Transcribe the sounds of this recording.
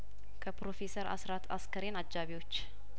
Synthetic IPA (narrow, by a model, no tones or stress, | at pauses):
kʰəpɾo̞fesəɾa̰sɾat̪ʰaskʰəɾenad͡ʒːaβiwo̞t͡ʃː